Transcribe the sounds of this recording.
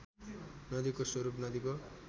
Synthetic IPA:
nʌd̪ikoswʌɾupnʌd̪iko

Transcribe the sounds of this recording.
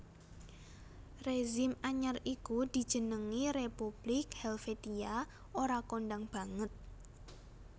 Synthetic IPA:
reʒɪmaɲarikud̪̥i̤̥ʒ̥ə̤nəŋiɾepub̥lɪkhɛlfet̪ia | oɾakonɖaŋb̥a̤ŋət̪̚

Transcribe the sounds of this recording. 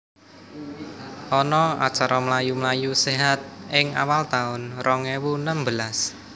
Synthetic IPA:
ʔɔnɔa̰t͡ʃaɾɔməlajuməlajuseɦat̪̚ɪŋa̰walt̪aʊnrɔŋɛwunəmbəlas

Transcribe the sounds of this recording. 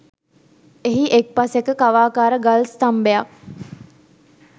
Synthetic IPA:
eɦiʔek̚pasekəkaʋaːkaːɾəɡalst̪ambejak̚

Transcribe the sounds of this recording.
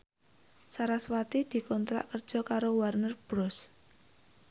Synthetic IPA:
saɾaswat̪id̪̥i̤kɔnt̪ɾa̰ʔkərd̥ʒ̥ɔ̤kaɾowarnərb̥ɾɔs

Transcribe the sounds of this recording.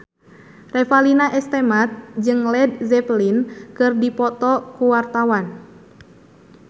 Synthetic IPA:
rɛfalinaʔɛst̪ɛmat̪̚d͡ʒɨŋlɛd̪̚zɛplinkɨrdipɔt̪ɔkuwart̪awan

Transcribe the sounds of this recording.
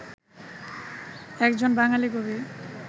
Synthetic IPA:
ɛkd͡ʑonbaŋaliɡobe

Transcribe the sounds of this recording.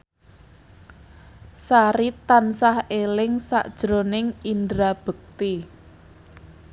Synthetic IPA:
saɾit̪ansahelɪŋsa̰ʔd̥ʒ̥ɾonɪŋindɾab̥ək̚t̪i

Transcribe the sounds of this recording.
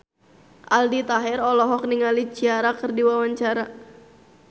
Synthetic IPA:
ʔaldit̪aɦɛɾɔlɔɦɔk̚niŋalit͡ʃiaɾakɨrdiwawaɲt͡ʃaɾa

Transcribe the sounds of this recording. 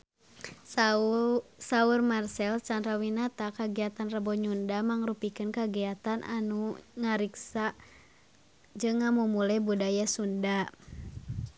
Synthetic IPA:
saurmarsɛlt͡ʃanɾawinat̪akaɡiat̪anrəbɔɲundamaŋɾupikɨnkaɡiat̪anʔa̰nuŋaɾiksa | d͡ʒɨŋːamumulɛbudajasunda

